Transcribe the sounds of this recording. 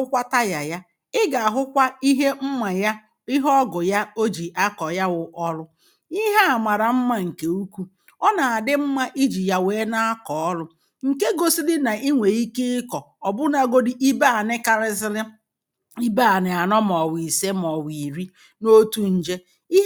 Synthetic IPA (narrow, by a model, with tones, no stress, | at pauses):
ʊ˦kʷa˦ta˦ja˨ja˦ | ɪ˦ɡa˨ɦʊ˦kʷa˦i˦ɦe˦m̩˦ma˨ja˦ | ɪ˦ɦɔ˦ɡʊ˨ja˦o˦d͡ʒi˨ʔa˦kɔ˨ja˦wʊ˨ʔɔ˦lʊ˦ | i˦ɦa˦a˨ma˨ɾa˨m̩˦ma˦ŋ̩˨ke˨u˦kʷu˦ | ɔ˦na˨a˨dɪ˦m̩˦ma˦ʔi˦d͡ʒi˨ja˨weː˦na˦a˦kɔ˨ɔ˦lʊ˦ | ŋ̩˨ke˦ɡo˦si˦dɪ˦na˨ʔi˦ŋʷe˨i˦ke˦ɪ˦kɔ˨ | ɔ˨bʊ˦na˨ɡo˦dɪ˦ʔi˦ba˦a˨nɪ˦ka˨ɾɪ˦zɪ˦lɪ˦ | i˦ba˦˨nɪ˨a˨nɔ˦mɔ˨wi˨se˦m˨ɔ˨wi˨ɾi˦ | no˦tu˦n̩˨d͡ʒe˦ | i˦